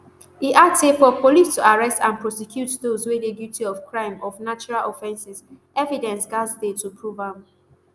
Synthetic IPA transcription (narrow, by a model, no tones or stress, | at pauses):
iʔasefɔpʰɔlistuaɹɛstãnpʰɹɔsɛkʰjutdozwededjutiɔfkʰɹãɪ̃mɔfnat͡ʃɔɹalɔfɛ̃nsiz | ɛvidɛ̃nsɡasdetupʰɹuvãm